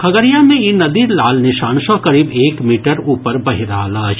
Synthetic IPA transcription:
kʰɐɡəɾijamẽinɐd̪iːɾlaːlnɪʃaːnsɔkɐɾiːbeːkmiːʈəɾuːpəɾbɐɦɪɾa̰ːlaːd͡ʒ

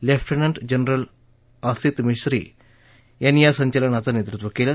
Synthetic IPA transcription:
lefʈenəɳʈd͡ʑenɾəl | ast̪it̪misɾḭː | janːijasəɲt͡ɕaləɳat͡sanet̪ɾut̪ʋəkela

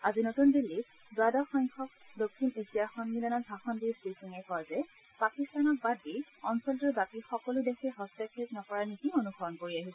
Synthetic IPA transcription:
azinotundilːi | zwadɔxɔjŋkʰɔk̚dokʰːinetijaxɔnmidanɔt̚bʱaxɔndiɹsisiŋɛkɔzɛ | pakistanɔk̚badiɔnsɔltuɹbakixɔkɔludexʰɛɦɔstakʰeknɔpɔɹanikionuxɔɹɔnkoɹiaɦisɛ

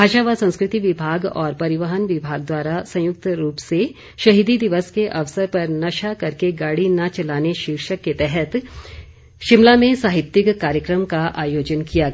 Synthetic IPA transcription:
bʱaːʃaʋasɐ̃nskɾɪt̪iʋɪbʱaːɡɔːɾpɐɾɪʋəɦənʋɪbʱaːɡ̚d̪waːɾasɐ̃jʊk̚t̪ɾuːpse | ʃɐɦiːd̪id̪ɪʋəskeʔɐʋsəɾpɐɾnɐʃakɐɾkeɡaːɽinɐt͡ʃɐlaːneʃɪkʃəkːet̪ɛɦɛt̪ | ʃɪmlamẽsaːɦɪt̪ːjɪkkːaːɾjəkɾəmkaʔaːjoːd͡ʒənkijaɡ

